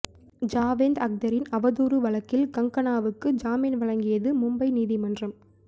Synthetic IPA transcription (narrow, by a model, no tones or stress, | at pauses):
d͡ʒaːʋeːnd̪ɐk̚d̪ɐɾɪnɐʋɐðuːɾɯʋɐɭɐkːɪlkɐŋkɐnaːʋɯkːɯd͡ʒaːmiːnʋɐɭɐŋɡɪjɐðɯmʊmbɐɪniːðimɐndrɐm